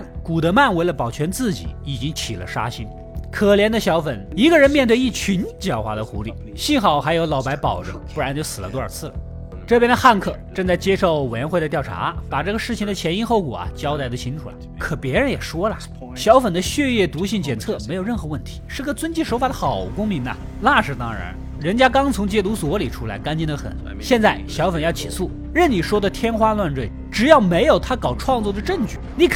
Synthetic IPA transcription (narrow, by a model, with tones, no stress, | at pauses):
ku˨˩d̪ə˧˥ma˥˩nwe˧˥ɪlə˧pɑ˨˩ʊt͡ɕʰɥɛ˧˥nt͡sɹ̩˥˩t͡ɕḭ˨˩˦i˨˩t͡ɕi˥ŋt͡ɕʰi˨˩lə̰˦ʂa̰˥ɕi˥n | kʰɤ˨˩ljɛ˧˥nd̪ə˧ɕjɑ˧˥ʊfə˨˩ni˧˥ɡə˧ɻə˧˥nmjɛ˥˧nt̪we˧i˥˩t͡ɕʰy˧˥nt͡ɕjɑ˨˩ʊxwa̰˧˥d̪ə˧xṵ˧˥lḭ˥˧˩ | ɕi˥˩nxɑ˨˩ʊxa˧˥ɪjo˧˥ʊlɑ˨˥ʊpa˧˥ɪpɑ˨˩ʊʈ͡ʂɤ̰˧˥˦ŋpu˥˩ɻa˧˥nt͡ɕo˥˩ʊsɹ̩˨˩lə̰˦t̪wɔ˥ə̰˞˨˩t͡sʰɹ̩˥˩lə̰˩ | ʈ͡ʂɤ˥˩p̬jɛ˥nd̪ə˧xa˥˧nkʰɤ˥˩ʈ͡ʂɤ˥˧ŋt͡sa˥˩ɪt͡ɕjɛ˥ʂo˥˩ʊwe˨˩ɥɛ˧nxwe˥˧ɪə˧t̪jɑ˥˩ʊa̰˧˥pa˨˩ʈ͡ʂɤ˥˩ɡə˩ʂɻ̩˥˩t͡ɕʰi˨˩ŋd̪ə˧˩t͡ɕʰjɛ˧˥ni˥xo˥˩ʊkwɔ̰˨˩ɐ̰˦t͡ɕjɑ˥ʊt̪a˧˥ɪd̪ə˧t͡ɕʰi˧˥ŋʈ͡ʂʰu˨˩˥ | kʰɤ˨˩pjɛ˧˥ɻə˧˥njɛ˨˩ʂwɔ˥lə˨ | ɕjɑ˧˥ʊfə˨˩nd̪ə˦ɕɥɛ˥˧jɛ˥˩t̪u˧˥ɕi˥˩ŋt͡ɕjɛ˨˩nt͡sʰɤ˥˩me˧˥ɪjo˨˩ʊɻə˥˩nxɤ˧˥wə˥˩nt̪ʰi̥˧˥ʂɻ̩˥˧ɡə˨˧t͡swə˥nt͡ɕi˥˩ʂo˧˥fa˨˩d̪ə˦xɑ˨˩ʊ˩kʊ˥ŋmi˧˥ŋɐ̰˧ | la˥˩ʂɻ̩˨˩t̪ɑ˥ŋɻa̰˧˥n | ɻə˧˥nt͡ɕja˥kɑ˥ŋt͡sʰʊ˧˥ŋt͡ɕjɛ˥t̪u˧˥swɔ˧˥li˨˩ʈ͡ʂʰu˥la̰˧˥ɪka˥nt͡ɕi˥nd̪ə˧xə̰˨˩˦n | ɕjɛ˥˧nt͡sa˥˩ɪɕjɑ˧˥ʊfə˨˩njɑ˥˩ʊt͡ɕʰḭ˨˩su˥˩ | ɻə˥˩nni˨˩ʂwɔ˥d̪ə˨t̪ʰjɛ˥nxwa˥lwa˥˧nʈ͡ʂwe˥˩ɪʈ͡ʂɻ̩˨˩jɑ˥˩ʊme˧˥ɪjo˨˩ʊt̪ʰa˥kɑ˨˩ʊʈ͡ʂʰwɑ˥˧ŋt͡swɔ˥˩d̪ə˩ʈ͡ʂɤ˥˧ŋt͡ɕy˥˩ni˨˩